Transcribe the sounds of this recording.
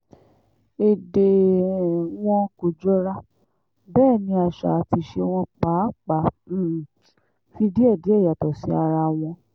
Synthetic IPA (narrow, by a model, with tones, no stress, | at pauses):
e˨de˨ | w̃ɔ̃˦ko˨d͡ʒɔ˦ɾa˦ | bɛː˦˨nĩ˧˦a˧ʃa̰˨ti˧ʃe˧w̃ɔ̃˧k͡pa˨˦k͡pa˨˦˨ | fi˧di˦ɛ˦˨di˨˦ɛ˦˨ja˨tɔ˨si˨˦a˧ɾa˧w̃ɔ̃˧